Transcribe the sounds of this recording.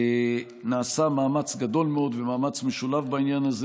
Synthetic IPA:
naːsamaːmat͡sɡad̪o̞lmeo̞d̪vemaːmat͡smeʃulavbainjanaze

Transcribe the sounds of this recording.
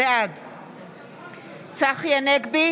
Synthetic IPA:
ead̪ | t͡saχjaneɡbi

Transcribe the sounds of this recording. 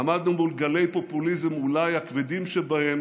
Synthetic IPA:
amad̪̚nubulɡale̞jpo̞pulizemulajhakved̪imʃebahe̞m

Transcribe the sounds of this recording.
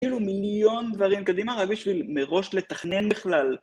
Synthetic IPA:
ilumiljo̞nd̪vaʁimkad̪imaʁaɡbiʃvilmeʁo̞ʃle̞t̪aχne̞nbiχlal

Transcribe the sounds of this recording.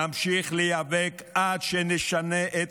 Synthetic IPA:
amʃiχlejavekadʃeniʃaneʔet

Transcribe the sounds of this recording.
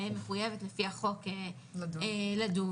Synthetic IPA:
meχujevetlefihaχo̞ke | eladu

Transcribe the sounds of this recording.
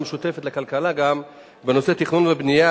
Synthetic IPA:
meʃut̪efet̪lekalkalaɡam | beno̞set̪iχnunvebnija

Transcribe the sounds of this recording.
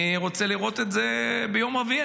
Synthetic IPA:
ʁo̞t͡seliʁo̞t̪etzebejo̞mavia

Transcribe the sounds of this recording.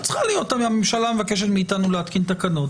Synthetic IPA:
t͡sχalijo̞tamamemʃalamvake̞ʃ̬eʁmiːt̪anuleat̪kint̪akano̞t

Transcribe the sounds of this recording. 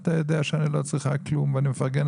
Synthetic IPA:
t̪ajodeaʃanilˠot͡sʁiχaklumvaniməfaʁɡɛn

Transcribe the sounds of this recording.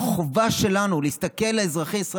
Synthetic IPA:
χovaʃe̞lanuleist̪ake̞lːeezʁaχejisʁa

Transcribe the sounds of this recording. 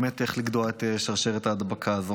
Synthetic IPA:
met̪eχliɡd̪oaet̪eʃaʁʃeʁet̪aːd̪bakʰazo

